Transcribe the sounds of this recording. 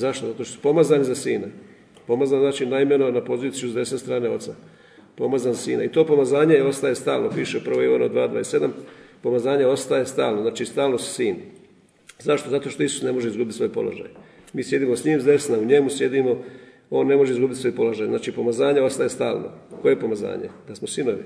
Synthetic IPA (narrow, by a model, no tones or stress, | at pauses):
zaʃt̪ozat̪oʃt̪osu̥po̞mazanizasiːna | po̞mazanznaːt͡ʃiːnaime̞no̞napo̞ziːt̪sijuzd̪e̞snest̪ɾaːne̞o̞t̪sa | po̞mazanzasḭːna̰it̪o̞ːpo̞mazaːɲejeo̞st̪ajest̪aːlnopiʃeupr̩ʋojono̰d̪ʋaːd̪ʋaːjesed̪ampo̞mazaːɲeo̞st̪ajest̪aːlˠnoznaːt͡ʃiːst̪aːlnossiːn | zaʃt̪o̞zat̪o̞ʃt̪oisu̥sne̞mo̞ʒeizɡubit̪sʋo̞jpo̞̰lo̰ʒa̰j | miːsje̞d̪iːmo̞sɲiːmzd̪e̞snauɲe̞musje̞d̪imo̞ | o̞ːnːe̞mo̞ʒeizɡubit̪so̞jpo̞loʒajznaːt͡ʃipo̞mazaːɲeo̞st̪ajest̪a̰ːlˠno̰ko̞je̞po̞maza̰ːɲḛd̪asmo̞sino̞ʋḭ